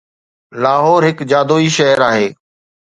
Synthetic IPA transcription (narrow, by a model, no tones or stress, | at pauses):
laːɦɔːɾɦɪkd͡ʒaːd̪oːiːʃəɦəɾaːɦeː